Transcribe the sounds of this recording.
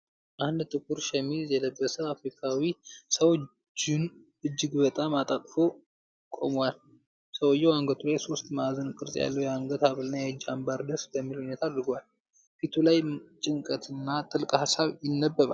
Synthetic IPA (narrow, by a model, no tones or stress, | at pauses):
ʔand̪t̪ʼɨkuɾʃɛmizjɛləbːəsəafɾikʰawisəw | d͡ʒɪn | ɨd͡ʒːɪɡbət̪ʼamat̪ʼat̪ʼfo̞ | kʼo̰mwal | səwjːɛwaŋɡət̪ʰulajso̞st̪mazənkʼɨɾzʼja̰lːəwjɛaŋɡət̪aβɨlnajɛd͡ʒːambaɾd̪əsbəmːiluhunet̪ʰaːd̪ɾɨɡwal | fit̪ʰulajt͡ʃʼɪŋkʼət̪ʰɨnːat̪ʼɨlkʼhasaβjɪnːəbːəβa̰